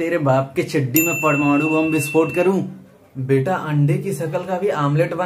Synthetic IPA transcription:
eːɾebaːpket͡ʃʰɪɖːimẽpɐɽmaːɽũbɐmbɪspoːʈkɐɾũː | beːʈaʔɐ̃ɳɖʱekiʃɐkəlkabʱiaːmleːʈbɐ

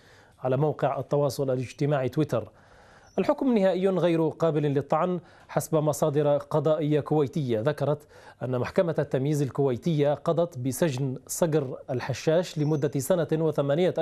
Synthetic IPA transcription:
ʕalaːmawqɪʕʔɑ̰t̪ːɑwɑːsˤʊlʔalɪd͡ʒt̪ɪmaːʕt̪wɪt̪ɑɾ | ʔalħʊkmnːɪhaːʔɪjːɣajɾqɑːbɪllɪt̪ˤːɑʕn | ħasbamɑsˤɑːd̪ɪɾqɑd̪ˤɑːʔɪjːakʊwajt̪ɪjːaðakɑɾˤɑt̪ | ʔanːamaħkamat̪ːamjiːzalkʊwajt̪ɪjːaqɑd̪ˤɑt̪bɪsad͡ʒnsˤɑɡɾʔalħaʃːaːʃlɪmʊd̪ːasanawɪθamaːnɪja

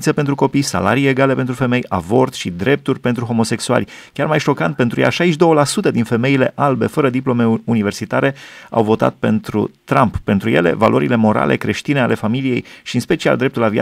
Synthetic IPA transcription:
t̪sepe̞nt̪ɾuko̞pijsa̰la̰ɾije̞ɡale̞pe̞nt̪ɾufe̞me̞javo̞rt̪ʃid̪ɾe̞p̚t̪urʲpe̞nt̪ɾuɦo̞mo̞se̞ksua̰lʲ | kʲarmajʃo̞kant̪̚pent̪ɾuja̰ʃajiʃd̪o̞wəlasut̪əd̪infe̞me̞ile̞ʔalbe̞fəɾəd̪iplo̞meunive̞rsit̪aɾe̞a̰wvo̞t̪a̰t̪̚pe̞nt̪ɾṵt̪ɾampːe̞nt̪ɾuje̞le̞̰valʔo̞ɾile̞mo̞ɾa̰lʔe̞̰kɾe̞ʃt̪ineale̞familije̞jʃiɨnspe̞t͡ʃia̰ld̪ɾe̞p̚t̪ulavia̰

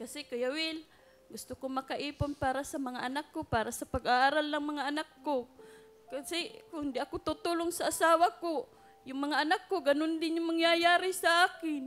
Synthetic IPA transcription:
kasɪkajawɪl | ɡʊst̪ʊkomɐkaʔiːpʊnpaːɾasɐmɐŋaʔanakːopaːɾasapaɡaʔaːɾalnɐŋmɐŋaʔanakːo | kasɪkʊŋhɪnd̪ɪʔakʊt̪ut̪ʊlʊŋsaʔasaːwako | jʊŋmɐŋaʔɐnakːoɡɐnʊnd̪ɪnjʊŋmɐŋjajaːɾɪsaʔaːkɪn

